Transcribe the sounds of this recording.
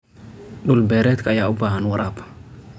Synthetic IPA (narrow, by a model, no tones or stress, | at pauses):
ɗʊlbɛɾɛt̪kajaʊbahanwɐɾʔab